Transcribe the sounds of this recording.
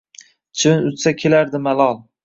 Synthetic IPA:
t͡ʃʰɪnʊt̪sakʲʰelaɾd̪ɪmalˠɒlˠ

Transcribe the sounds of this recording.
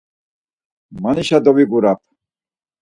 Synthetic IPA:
maniʃad̪ɔwiɡuɾap̚ʰ

